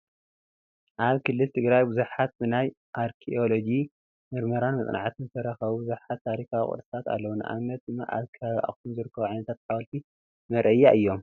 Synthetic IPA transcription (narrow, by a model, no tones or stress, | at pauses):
ʔaβkʰɨlːɨlt̪ʰɨɡɾajbɨzuħat̪̚bɨnaj | ʔaɾkʰiolo̞d͡ʒi | mɨɾmɐɾanmɐt͡sʼna̰ʕt̪ʰɨnzɨt̪ʰɐɾɐxɐβubɨzuħat̪ʰːaɾikʰawḭχʼṵɾsɨ̥t̪ʰat̪a̰lːɐwunɨ̰ʔa̰mɐt̪̚d̪ɨmːa̰ʔa̰βkʰɐβaβʔa̰xunzɨɾɨkːɐβuʕajnɐt̪ʰat̪ħawɐlt̪ʰi | mɐɾʔɐjːaʔɨjːo̞m